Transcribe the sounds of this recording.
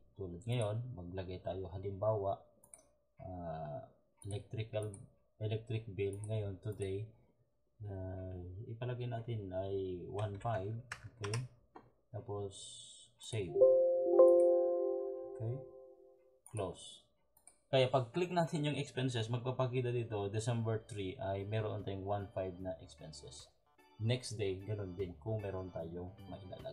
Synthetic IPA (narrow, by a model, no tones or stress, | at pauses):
t̪uːlɐd̪̚ŋɐjo̞nmɐɡ̚lɐɡajt̪aːjoɦɐlɪmbaːwaʔ | ʔa | ɛlɛk̚t̪ɾɪkɐl | ʔɛlɛk̚t̪ɾɪk̚bɪlŋɐjont̪ʊd̪ɛj | aɪpɐlɐɡajnaːt̪ɪnɐjwanfajvokej | t̪aːpo̞sː | ejv | ʔokɛj | klos | kɐjapɐɡ̚klɪk̚naːt̪ɪnjʊŋɛkspɛnsɛsmɐɡ̚pɐpɐkiːd̪ɐd̪iːt̪o̞d̪ɪsɛmbɛɹt̪ɾiʔɐjmɛːɾoʔont̪aːjʊŋwanfajbnɐʔɛkspɛnsɛs | nɛksd̪ejɡɐno̞nd̪ɪnkʊŋmɛːɾo̞nt̪aːjoŋmɐʔɪna̰ːla̰ɡ